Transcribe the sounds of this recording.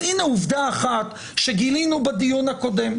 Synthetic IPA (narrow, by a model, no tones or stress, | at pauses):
ineuvd̪aːχat̪ | ʃeɡilinubad̪ijunhako̞de̞m